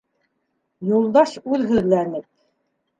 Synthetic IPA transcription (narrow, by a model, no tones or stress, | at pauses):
julˠd̪ɑʃʉðɦɵ̆ðlænɘp̚